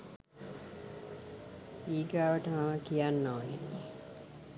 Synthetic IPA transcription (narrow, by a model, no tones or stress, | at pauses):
iːɡaːʋəʈəmaməkijanːoːninːi